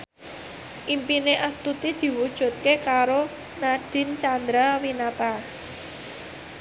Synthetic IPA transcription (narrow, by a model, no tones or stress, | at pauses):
ʔimpineʔəst̪ut̪id̪̥i̤wud̥ʒ̥ṳt̪̚kekaɾo | naɖ̥ɪ̤nt͡ʃand̪ɾawinat̪a